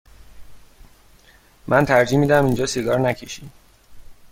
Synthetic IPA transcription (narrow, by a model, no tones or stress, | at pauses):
mʔænt̪ʰæɾd͡ʒiːmiːd̪æmind͡ʒɒːseɡɒːɾnæcʰeʃiːd̪